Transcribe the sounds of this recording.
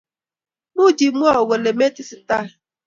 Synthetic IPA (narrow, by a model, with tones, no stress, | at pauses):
mu˦d͡ʒi˨˦mʷ˦ɔ˦˨ɡo˨le˨me˦ti˦sɪ˨ta˦˨